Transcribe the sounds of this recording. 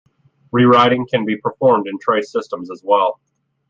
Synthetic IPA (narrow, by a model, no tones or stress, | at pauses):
ɹiɹaɪɾɪ̃ŋkʰɨ̃nbipʰə˞fɔɹmdɨ̃ntʰɹ̥eɪsɪstə̃mzəzwɛlˠ